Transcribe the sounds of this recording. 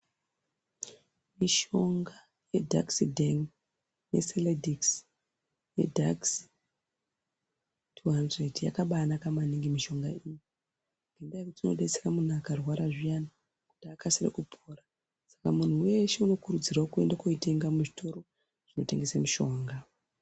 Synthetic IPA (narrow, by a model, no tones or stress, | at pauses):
miʃo̞ŋɡa | je̞dʱa̰ksidʱeŋ | ne̞̰seledʱiks | je̞̰dʱa̰ks | tʰuɦandredja̰kaɓanakamaniŋɡimiʃo̞ŋɡaiji | ŋɡendaekutino̞̰ɗe̞t͡sekamun̤uakarwaɾaʐijana | ku̥takasirḛkupʰoːra | sḁkamun̤uwe̞ʃeuno̞kuɾud͡ziraokue̞̰ndako̞ite̞ŋɡamuʐitʰo̞ɾo̞ | ʐ̥ino̞te̞ŋɡe̞samuʃo̞ːŋɡa